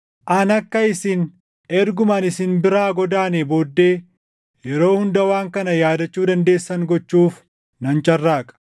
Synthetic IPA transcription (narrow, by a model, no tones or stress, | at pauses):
ʔɐnɐkːɐɪsɪn | ɛɾɡʊmɐnɪsɪnbɪɾaːɡɔd̪aːnebo̞ːd̪ːe̞ː | jɛɾo̞ːhʊnd̪ɐwaːŋkɐnɐjaːd̪ɐt͡ʃːuːd̪ɐnd̪e̞ːsːɐŋɡɔt͡ʃːuːf | nɐnt͡ʃʼɐrːaːkʼɐ̥